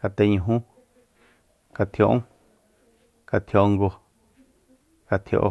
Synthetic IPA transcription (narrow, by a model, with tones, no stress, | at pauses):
ka˧t̪e˧ɲũ˧˨ɦũ˦ | ka˧t̪ʰjo˧ʔ | ka˧t̪ʰjo˧ŋɡo˧ | ka˧t̪ʰjo̰˧ʔo̰˧